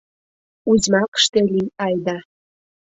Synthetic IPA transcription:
uzʲmɑkə̥ʃt̪eliɑjd̪ɑ

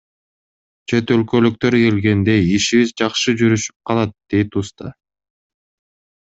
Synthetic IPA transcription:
t͡ʃʰe̞t̪ølkø̞lyk̚t̪ø̞ɾke̞lɡe̞nd̪e̞iʃiβizd͡ʒɑqʃɯd͡ʒyɾyʃy̥p̚qʰɑlˠɑt̪̚d̪̥e̞jt̪ust̪ɑ̰

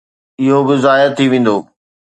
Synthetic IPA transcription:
ɪɦobɪzaːjət̪ʰiʋẽːn̆d̪oː

